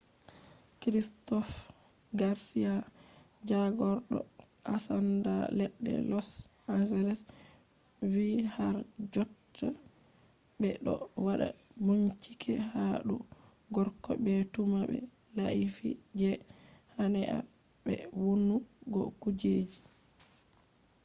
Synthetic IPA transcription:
kɾistɔf | ɡaɾsija | d͡ʒaɡɔɾɗɔ̰ | ʔasanda̰lɛɗːɛ̰lɔsmazalɛs | wihaɾd͡ʒɔtʰːa | bɛɗɔwaɗa̰ | buɲt͡ʃi̥kʰɛhaɗu | ɡɔɾkɔbɛtumaɓɛ̰ | laʔifid͡ʒɛ | hanɛʔa̰ | bɛ̰wunːuɡɔ̰kud͡ʒed͡ʒi

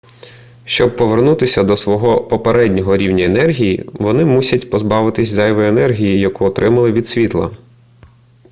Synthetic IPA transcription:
ʃt͡ʃɔb̚pɔʋernut̪ɪsʲɐd̪ɔsʋɔɦɔpɔpeɾɛdʲnʲɔɦɔɾʲiwnʲɐenɛrɦʲijḭʋɔnɪmusʲɐtʲpɔzbɑʋɪt̪ɪsʲzɛjʋɔenɛrɦʲijijɐkuɔt̪ɾɪmɐlˠɪʋʲid̪sʲʋʲit̪lˠɐ̰

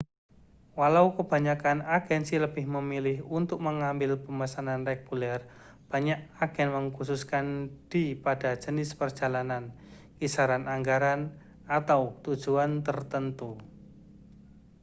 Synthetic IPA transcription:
walaukəb̥a̤ɲakanaɡ̥ɛnsiləb̥ɪhməmilɪhunt̪ʊk̚məŋambɪlpəmasananrɛɡ̥ulɛr | b̥a̤ɲaʔaɡ̥ɛnməŋkususkand̥ipad̥ḁd͡ʒənɪspərd̥d͡ʒ̥a̤lanan | kisaɾanaŋɡaɾan | at̪awt̪ud̥ʒ̥uant̪ərt̪ənt̪u

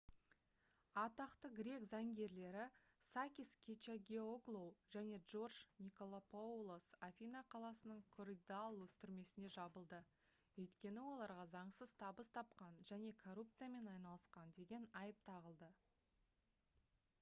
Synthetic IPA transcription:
ɑt̪ɑqt̪əɡɾʲe̞kzɑŋɡʲe̞ɾle̞ɾɪ | sakʲiskʲʰet͡ʃaɡʲeoɡlˠowʒæne̞ʒo̞rʒniko̞lˠopʰoulˠosafʲinaqʰɑlˠɑsənəɴkʰoɾid̪alˠwɵst̪ɪɾme̞sɪne̞ʒɑbəlˠd̪ə | wɵjt̪kʲe̞nɪwo̞lˠɑɾʁɑzɑɴsəzt̪ʰɑbəst̪ʰɑp̚qɑnʒæne̞kʰo̞rup̚t̪sɨjame̞nɑjnɑlˠəsqɑnd̪e̞ɡʲe̞nɑjəp̚t̪ʰɑʁəlˠd̪ə

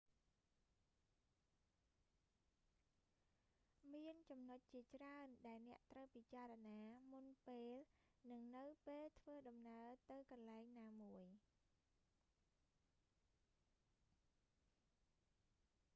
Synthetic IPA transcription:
miənt͡ɕɑmnoc̚t͡ɕiət͡ɕraənɗaɛlnɛ̆əʔt̪rəwpit͡ɕaːɾɑnaːmunpeːlnɨŋnɨwpeːlt̪ʰʋəːɗɑmnaət̪ɨwkɑnlaɛŋnaːmuəj

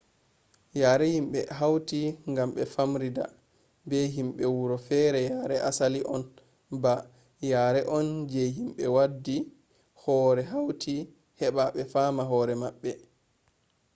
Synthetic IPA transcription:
jaːɾɛhimɓɛɦawtiŋɡamɓɛfamɾida̰ | bɛɦimɓɛwuɾɔfɛːɾɛjaɾɛʔasaliʔɔn | ba | jaːɾɛʔɔnd͡ʒɛɦimɓɛwadːi | hɔːɾɛɦawtʰi | hɛɓaɓɛfamaɦɔɾɛmaɓːɛ

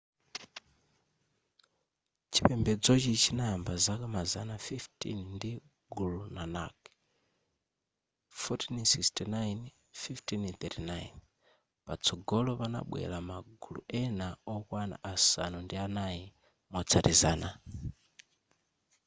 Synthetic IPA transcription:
t͡ʃʰipɛmbɛd͡zɔt͡ʃit͡ʃʰinaambazakamazanafiftʰḭnndi | ɡulunana̰k | fɔtʰinsikstinajn | fiftʰinθɛtinajn | pat͡sʰɔɡɔlɔpana̰ɓwɛ̰ɾamaɡulṵʔɛnaɔkwana̰ʔasanundianaji | mɔt͡sʰaɾizaːna

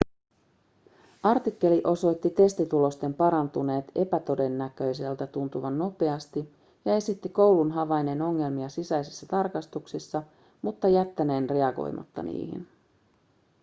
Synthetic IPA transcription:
ɑrt̪ikːe̞liʔo̞so̞jt̪ːit̪e̞st̪it̪ulo̞st̪e̞mpɑɾɑnt̪une̞ːt̪e̞pæt̪o̞de̞nːækø̞jse̞lt̪æt̪unt̪uʋɑnːo̞pe̞ɑst̪i | jɑe̞sit̪ːiko̞wlunɦɑʋɑjneno̞ŋːe̞lmiɑsisæjsisːæt̪ɑrkɑst̪uksisːɑ | mut̪ːɑjæt̪ːæne̞ːnre̞ɑɡo̰jmʔɑ̰t̪ːɑ̰nḭːhḭn

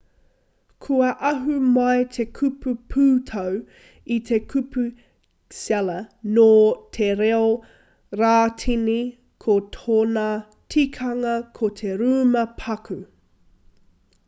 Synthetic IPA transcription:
kʰuɐʔɐɦumɐjt̪ʰe̞kʰʉpʰupʰʉːtʰɐw | it̪ʰekʰʉpʰu | sɛlɐnoːtʰeɾeo | ɾaːtʰini | kʰot̪ʰoːna | tʰikʰɐŋɐkʰot̪ʰeɾuːmɐpʰɐkʰʉ

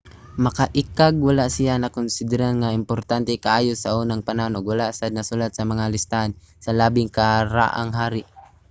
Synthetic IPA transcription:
mɐkaʔɪkaɡ̚walaʔsɪjanɐkʊnsɪd̪ɪɾanŋaɪmpoɾt̪ant̪ɛkaʔaːjosɐʔuːnaŋpanahʊnoɡwalaʔsad̪nɐsulat̪̚sɐmɐŋalɪst̪aʔan | sɐlaːbɪŋkaɾa̰ʔa̰ŋɦaːɾɪʔ

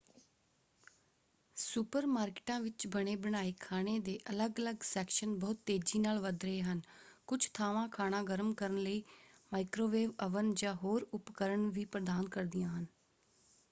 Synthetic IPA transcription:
supəɾmaːɾkɪ̥ʈãːʋɪt͡ʃbəɽ̃eːbəɳaːiːkʰaːɽ̃eːd̪eːʔələɡələɡsɛːkʃənbɔːʊt̪ːeːd͡ʒiːnaːlʋəd̪ɾəeːɦənkʊt͡ʃʰt̪ʰaːʋãːkʰaːnãːɡəɾəmkəɾənləiː | maːɪkɾoːʋeːʋəʋənd͡ʒãːɦoːɾʊpkəɾəɳʋiːpɾəd̪aːnkəɾd̪ɪjãːɦən

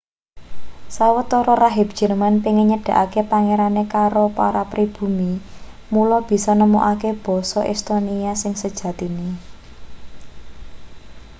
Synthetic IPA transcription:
sawət̪ɔɾɔɾaɦɪb̚d̥ʒ̥ə̤rmanpiŋiɲəɖ̥ä̤ʔakepaŋeɾanekaɾopaɾapɾib̥ṳmi | mulɔb̥i̤sɔnəmo̰ʔakeb̥ɔ̤sɔʔɛ̰st̪oniasɪŋsəd̥ʒ̥ä̤t̪ini

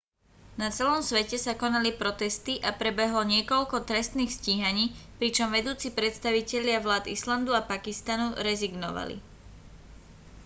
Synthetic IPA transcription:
nat͡sɛlɔmsʋɛcɛsakɔnalipɾɔt̪ɛst̪iʔapɾɛbɛɦlɔɲɪɛkɔʎkɔt̪ɾɛst̪niːxsciɦaɲiːpɾit͡ʃɔmʋɛd̪uːt͡sipɾɛt̪st̪aʋicɛʎɪaʋlaːd̪island̪uapakist̪anuɾɛziɡnɔ̰ʋa̰lḭ

